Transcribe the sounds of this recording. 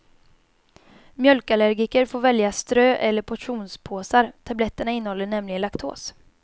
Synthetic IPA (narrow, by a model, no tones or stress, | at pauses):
mjœlkalæɾɡɪkəɾfoːɾvɛljast̪ɾøːʔɛlːəɾpʰɔʈʂuːnspʰoːsaɾt̪ʰablɛt̪ːəɳaɪnːəhɔlːəɳɛmlɪɡənlakt̪ʰo̰ːs